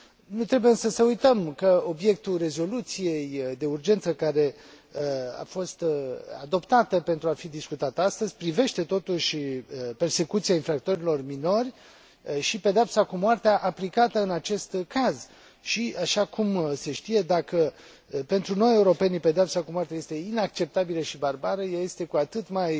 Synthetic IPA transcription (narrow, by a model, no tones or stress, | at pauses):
nut̪ɾe̞bujeɨnsəsəujt̪əmkəo̞bje̞k̚t̪ure̞zo̞lut̪sije̞jd̪e̞urd͡ʒe̞nt̪səkaɾe̞ | a̰fo̞st̪a̰d̪o̞pt̪at̪əpe̞nt̪ɾuafid̪iskut̪at̪əast̪əzʲpɾive̞ʃt̪e̞t̪o̞t̪uʃʲperse̞kut̪sijainfɾakt̪o̞ɾilo̞rmino̞rʲ | ʃipe̞d̪eapsakumoart̪eaʔaplikat̪əɨnat͡ʃe̞st̪kaz | ʃiaʃakumse̞ʃt̪ije̞d̪akə | pe̞nt̪ɾuno̞je̞uɾo̞pe̞nipe̞d̪eapsakumoart̪ejajest̪e̞inak̚t͡ʃe̞p̚t̪abiləʃibarbaɾəjaje̞st̪e̞kuat̪ɨt̪maj